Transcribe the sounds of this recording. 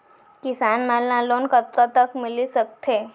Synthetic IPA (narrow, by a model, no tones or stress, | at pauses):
kɪsanmalãlonkət̪ːat̪əkmɪlisək̚t̪ʰe